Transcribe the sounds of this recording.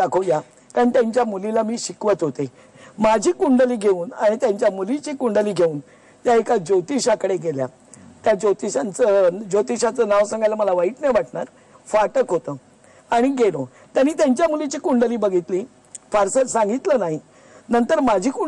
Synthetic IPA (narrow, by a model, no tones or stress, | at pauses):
akʰoja | kaɳit̪jãɲt͡ɕjamulilamiːɕikʋət̪ɦot̪e | mad͡ʑʱiːkuɳɖəliːɡʱeuːnaɽ̃it̪jãɲt͡ɕjamulit͡ɕiːkuɳɖəliːɡʱeuːn | t̪jaekad͡ʑot̪iɕakəɽeɡelja̰ | t̪jad͡ʑot̪iɕant͡səd͡ʑot̪iɕat͡sənaʋsaŋɡajlaməlaʋaiʈnəʋaʈɳaɾ | faʈəkɦot̪ə | aɽ̃iɡelo | t̪janːiːt̪jaɲt͡ɕjamulit͡ɕiːkuɳɖəliːbəɡʱit̪liː | faɾsəsãŋɡit̪lənaɦi | nənt̪əɾmad͡ʑʱiːku